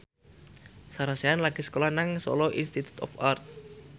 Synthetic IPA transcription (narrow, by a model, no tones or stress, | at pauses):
saɾaseanlaɡ̥esə̥kolanaŋsɔ̰lɔʔinst̪it̪u̥t̪ɔ̰fart̪̚